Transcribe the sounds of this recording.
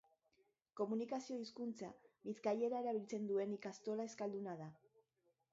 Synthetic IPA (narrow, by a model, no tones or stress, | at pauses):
ko̞munikasio̞iskunt͡sa̰βiθkaje̞ɾae̞ɾaβ̞ilt͡se̞nd̪ue̞nikast̪o̞lae̞skald̪unað̞a